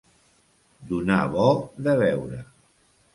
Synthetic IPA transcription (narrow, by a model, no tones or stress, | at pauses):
d̪unaβɔðəβɛwɾə